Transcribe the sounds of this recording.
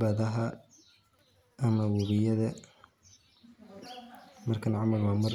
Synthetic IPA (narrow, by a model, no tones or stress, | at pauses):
bɐðɐɦɐ | ʔɐmɐwɐβɪjɐðɐ | mɐrkʰɐnʕɑmɐlwamɐr